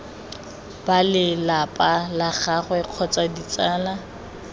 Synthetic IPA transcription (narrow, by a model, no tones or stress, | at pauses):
balɪlapʼalaχaχwɛq͡χʰɔt͡sʼadit͡sʼaːla